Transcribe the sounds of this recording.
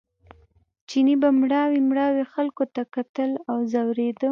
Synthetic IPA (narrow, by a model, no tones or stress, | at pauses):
t͡ʃinibamɽɑwimɽɑwexalkot̪akat̪əlawzawɾed̪ə